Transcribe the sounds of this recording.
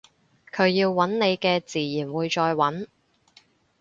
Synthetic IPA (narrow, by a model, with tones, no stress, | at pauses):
kʰɵ˨˧ɥjiː˧wːɐ˨˥nne˨˧jkɛː˧t͡siː˨jiː˨˩nwuː˨˧jt͡ʃɔː˧jwɐ˨˥n